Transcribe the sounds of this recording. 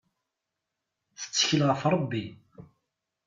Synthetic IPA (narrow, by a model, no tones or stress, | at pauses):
θə̥t͡sːə̥çəlʁəfɾˤəbːi